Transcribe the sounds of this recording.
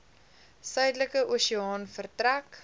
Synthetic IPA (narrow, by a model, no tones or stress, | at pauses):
sœɥdələkəʔoːsiɑːnfərtræk